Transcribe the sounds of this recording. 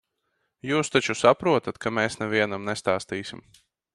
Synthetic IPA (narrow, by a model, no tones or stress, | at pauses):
juːst̪at͡ʃusapɾuɔt̪at̪kʰameːsnɛviɛnamnst̪aːst̪iːsʲim